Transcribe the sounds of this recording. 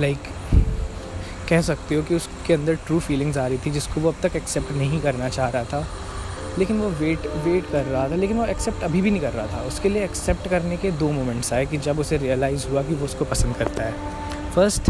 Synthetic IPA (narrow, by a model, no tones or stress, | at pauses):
laɪk | ɛɦsɐk̚t̪iɦokiʊskeɐ̃nd̪əɾʈɾuːfiːlɪ̃ŋzaːɾɐit̪ʰid͡ʒɪskoʋoɐb̚t̪ɐkɛksɛp̚ʈnɐɦĩkɐɾnat͡ʃaːɦɾɐɦat̪ʰa | leːkɪnʋoʋeːʈʋeːʈkɐɾːɐɦat̪ʰaleːkɪnʋoɛksɛpʈɐbʱibʱinɦĩkɐɾːɐɦat̪ʰaʊskelieɛksɛp̚ʈkɐɾneked̪oːmoːmɛ̃ɳʈsaːek̬id͡ʒɐbʊseɾijəlaːɪzɦuak̬iʋoʊskopɐsə̃nd̪kɐɾt̪aɦɛː | fɐɾsʈ